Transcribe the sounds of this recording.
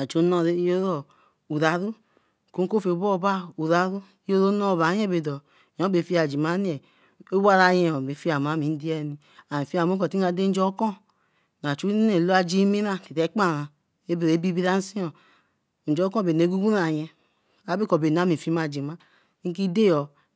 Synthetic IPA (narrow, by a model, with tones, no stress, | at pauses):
a˨t͡ʃo˨˦nɔ˦˨ɾe˦jo˦ɾo˨ | u˨ɾa˨ɾu˦˨ | ko˦ko˦fe˨˦bo˦˨˦ba˦u˨ɾa˨˦ɾu˦o˦ɾo˦no˦˨ba˨˦je˦be˨dɔ˨ | ɔ˨˦be˨fi˦a˨d͡ʒi˨ma˦ni˦e˨ | o˦wa˦ɾa˨je˦ɔ˨be˨˦fi˦a˨m˨a˨˦mi˨n˦di˦ɛ˦˨ni˨ | a˨i˨fi˦a˨mo˦kɔ˨ti˦a˨˦de˦n̩˦d͡ʒɔ˦kɔ˦ | n˨a˨t͡ʃu˦e˨lo˦a˧d͡ʒi˦mi˦ɾa˦˨ti˨te˨˦k͡pa˦˨ɾa˨ | e˦be˨ɾe˨˦bi˦bi˦ɾa˦n̩˦si˦ɔ˨ | d͡ʒɔ˨˦kɔ̃˦˨be˨ne˨˦ɡu˦ɡu˦a˨jɛ˧ | a˨˦be˦kɔ˨be˨n˨a˨˦mi˨fi˦ma˨d͡ʒi˨ma˦ | ki˦de˦˨ɔ˨